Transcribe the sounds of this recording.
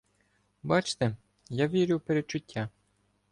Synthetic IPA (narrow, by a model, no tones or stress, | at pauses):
bɑt͡ʃt̪e | jaʋʲiɾʲʊwpeɾet͡ʃʊtʲːa